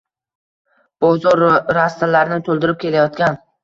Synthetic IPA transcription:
b̥ɒzɒɾɾast̪alaɾɪnɪt̪ʰolˠd̪ɪɾɪp̚kʲe̞lajɒt̪kʲan

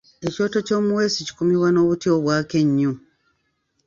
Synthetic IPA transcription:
e̞co̞ːto̞co̞ːmuwe̞sici̥kumiwano̞ːβutio̞βwaːke̞ɲːu

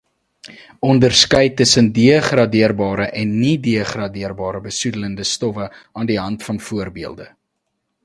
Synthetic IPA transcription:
ɔndərskœjtəsəndiəχrɑdiərbɑːɾəʔɛnːidiəχrɑdiərbɑːɾəbəsudələndəstɔfəʔɑːndiɦɐntfɐnfuərbiəlˠdə

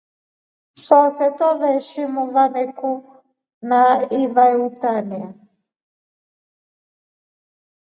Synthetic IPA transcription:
sɔsɛtɔβɛʃimuvanɛku | naivautania

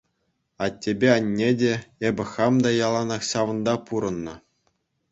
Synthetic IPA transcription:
ɑtʲːebʲeɑnʲːedʲeebʲɘ̆χɑmd̪ɑjɑlˠɑnɑχɕɑʋɤ̆nd̪ɑpuɾɤ̆nːɤ̆

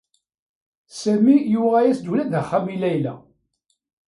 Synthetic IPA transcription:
sæmijʊʁæjæsd̪ulæðəχːæmilæjlæ̰

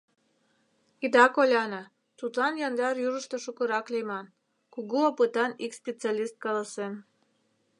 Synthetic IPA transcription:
id̪ɑkolʲɑnɑ | t̪ut̪lɑnjɑnd̪ɑɾjuʒəʃt̪oʃukə̆ɾɑklemɑn | kuɣuopət̪ɑnikspʲet͡sɑlʲist̪̚kɑlɑsem

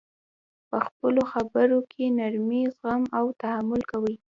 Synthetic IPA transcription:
pəxpəloxabəɾokʰenaɾmizɣamawt̪ahamʊlkawəj

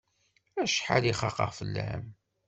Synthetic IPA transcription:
æʃħa̰liχɑqɑ̰ʁfəlːæ̰m

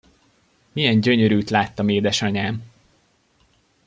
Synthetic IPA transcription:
mijɛɲɟø̞ɲøɾyːt̪laːt̪ːɒmeːd̪ɛʃɒɲaːm

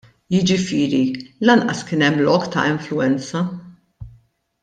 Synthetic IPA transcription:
jɪd͡ʒɪfɪːɾilɐnʔɐskɪːnɛmːlɔːkt̪ɐ̰ɪɱflʊɛnt͡sɐ

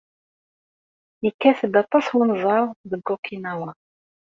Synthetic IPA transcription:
jəkːæθəbɑt̪ˤːɑswunzˤɑɾˤðəɡokʰːinæwə

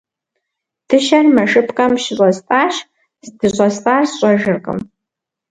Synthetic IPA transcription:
d̥ʰɨʃɐrmɐʂɨpʰqʼɐmʃɪɕʼɐstʼaːʃ | zdʰɨɕʼɐstʼaːrsɕʼɐʒɨrqʼɨ̰m

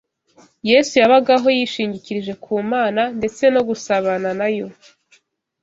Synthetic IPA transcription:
je̞ːsujaβaɡaɦo̞jiʃiːɲɟiciɾiʒe̞kʰuːmaːnande̞t͡se̞no̞ɡusaβananajo̞

